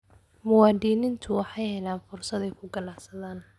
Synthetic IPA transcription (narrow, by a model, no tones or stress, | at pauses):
mʊwɑːd̪iːnɪnt̪ʰʊwɑħɑjhɛlaːnfʊrsɐðɛjkʰʊɡɐnaʕsɐðaːn